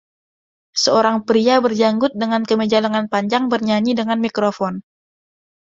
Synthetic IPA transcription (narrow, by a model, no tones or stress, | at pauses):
səoɾaŋpɾiabərd͡ʒaŋɡʊt̪̚dəŋankəməd͡ʒalaŋanpaɲd͡ʒaŋbərɲaɲidəŋanmikɾofɔn